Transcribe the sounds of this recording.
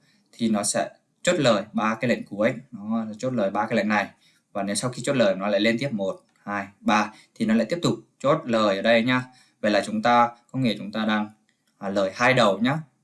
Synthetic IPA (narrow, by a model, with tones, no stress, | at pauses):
t̪ʰi˨˩nɔ˨˦sɛ̰˧˥ | t͡ɕo˦˥t̚ləː˨˩jɓaː˧kaː˨˦jlə̰˧˨jŋ̟ku˨˦ə˦nɔ˨˦˨t͡ɕo˦˥t̚ləː˨˩jɓaː˧kaː˨˦jlə̰˧˨ŋna˨˩j | vaː˨˩ne˨˦wsa˧wxi˧t͡ɕo˦˥t̚ləː˨˩jnɔ˨˦la̰ː˧˨le˧nt̪i˦˥əp̚mo˨˩t̚ | haː˧jɓaː˧t̪ʰi˨˩nɔ˨˦a̰˧˥t̪i˦˥p̚t̪k͡p̚t͡ɕo˦˥t̚ləː˨˩jʔəː˨˩ɗə˧jɲaː˧ | ve˨˩laː˨˩t͡ɕʊ˨˦ŋ͡mt̪aː˧kə˧wŋ͡mŋḭ˧˨ət͡ɕʊ˨˦ŋ͡mt̪aː˧ɗaː˧ŋː˨˩ | ləː˨˩jhaː˧jɗə˨˩wɲaː˨˦˥